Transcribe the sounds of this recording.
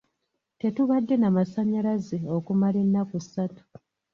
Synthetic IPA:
te̞tuβadːe̞namasaɲalazeo̞kumalenːakusːatu̥

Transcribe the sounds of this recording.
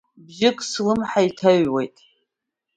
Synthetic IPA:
bʒɪkʼsɨlɨmħaitʰaɥwejtʼ

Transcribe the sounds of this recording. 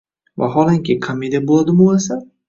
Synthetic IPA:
va̰ɦɒlˠaŋkʲɪkʰamid̪abolˠad̪ɪmolasa

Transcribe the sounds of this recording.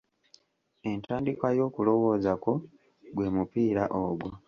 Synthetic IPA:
e̞ntaːndikwajo̞ːkulo̞wo̞ːzako̞ | ɡwe̞ːmupiːɾaʔoɡwo

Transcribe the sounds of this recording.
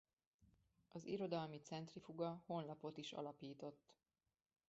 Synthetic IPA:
ɒzḭɾo̞d̪ɒlmit̪sɛnt̪rifuɡɒho̞nlɒpo̞t̪iʃɒ̰lɒpiːt̪o̞t̪ː

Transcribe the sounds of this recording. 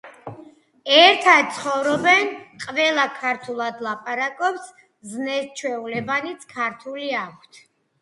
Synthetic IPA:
ɛɾt̪ʰad̪̚t̪sʰχɔvɾɔbɛnqʼvɛlˠakʰaɾt̪ʰulˠad̪lˠapʼaɾakʼɔps | znɛst͡ʃʰwɛulɛbanit̪sʰkʰaɾt̪ʰuliakʷʰt̪ʰ

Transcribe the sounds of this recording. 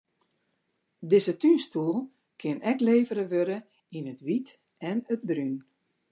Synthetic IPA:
dɪzətynstuəlˠ | kʰɪənɛkleːvəɾəʋøɾə | inətʋit | ɛnət̚bryn

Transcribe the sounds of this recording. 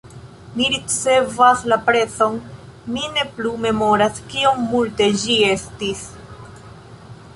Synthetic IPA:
miɾit͡se̞vaslapɾe̞t͡so̞n | mine̞plume̞mo̞ɾaskio̞ŋmulte̞d͡ʒie̞stis

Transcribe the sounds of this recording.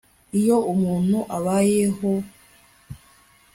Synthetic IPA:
ijo̞umuːn̥huʔaβajeɦo

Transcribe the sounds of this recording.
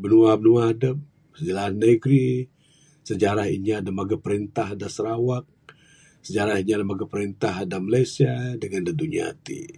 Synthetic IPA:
bənuabənuaɦadəp̚ | səd͡ʒalanaiɡɾi | səd͡ʒaɾahḭɲadamaɡapəɾint̪aɦdasəɾawak̚ | səd͡ʒaɾahiɲalamaɡapəɾint̪aɦadamalajsiadəŋandad̪uɲia̰t̪ḭ

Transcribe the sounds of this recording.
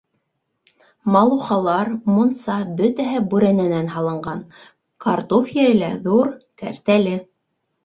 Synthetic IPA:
mɑlˠuχɑlˠɑɾmunsɑbɵt̪æɦɘbʉɾænænænɦɑlˠɤ̆ɴɢɑn | kɑɾt̪ofjɘ̆ɾɘ̆læðuɾkæ̰ɾt̪ælɘ

